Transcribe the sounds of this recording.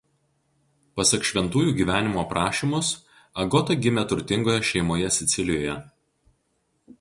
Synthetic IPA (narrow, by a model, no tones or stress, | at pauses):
pɐsʲɐkʃʲʋʲɛnt̪uːjuːɡʲiːʋʲæːnʲɪmoːpɾʔɑːʃʲiːˑmʊs | ɐɡɔt̪ɐɡʲɪmʲɛt̪ʊɾʲt̪ʲɪŋɡoːjɛʃʲɛɪmoːjɛsʲɪt̪sʲɪlʲɪjoːjɛ